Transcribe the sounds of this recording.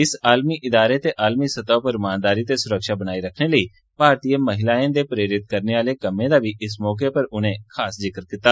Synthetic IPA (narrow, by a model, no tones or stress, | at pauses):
ɪsaːlmiːʔɪd̪aːɾeːt̪eːʔaːlmiːsət̪aːpəɾmaːnd̪aːɾiːt̪eːsʊɾəkʃaːbənaːiːɾəkʰneːləiː | bʱaːɾt̪iːəməɦɪlaːẽːd̪eːpɾeːɾɪt̪̚kəɾneːʋaːleːkəmẽːd̪aːʋiːʔɪsmɔːk̬epəɾʊnẽːkʰaːszɪkɾkɪt̪ːaː